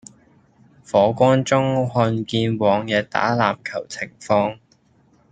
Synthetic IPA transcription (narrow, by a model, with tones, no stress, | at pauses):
fɔː˨˥kʷɔː˥nt͡sʊ˥ŋhɔː˧nkiː˧nwɔː˨˧ŋjɛː˨˧t̪a̰ː˨˥laː˨mkʰɐ˨˩wt͡sʰɪ˨˩ŋfɔː˧ŋ